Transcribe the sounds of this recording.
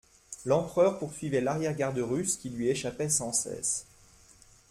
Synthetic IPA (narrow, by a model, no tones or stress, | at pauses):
lɑ̃pχœʁpuʁsɥivɛlaʁjɛʁɡʲaʁd̪əʁyskʲilɥieʃapɛsɑ̃sɛ̰s